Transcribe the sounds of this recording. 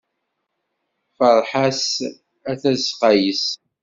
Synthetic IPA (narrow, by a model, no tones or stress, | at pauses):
fəɾˤħas | æθæzqæjəs